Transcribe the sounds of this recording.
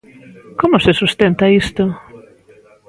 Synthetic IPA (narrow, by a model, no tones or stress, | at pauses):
komʊsɪsust̪ent̪ɐist̪ʊ